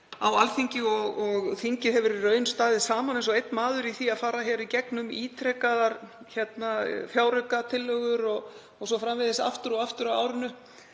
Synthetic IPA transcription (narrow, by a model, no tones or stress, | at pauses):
a̰walθiɲcɪɔɣɔɣθiɲcɪðhɛvʏɾirœːɥnst̪aːðɪsaːmanejnsɔejt̪nmaːðʏɾiθiaðfaːɾaçɛːɾicɛknʏmiːt̪ʰɾɛkaðaɾ̥ | çɛt̪nafjaːwɾœkat̪ʰɪlːœɣʏɾɔɣː | ɣsɔfɾamvɪðɛsa̰ft̪ʏɾɔaft̪ʏɾaa̰ːwɾɪnʏ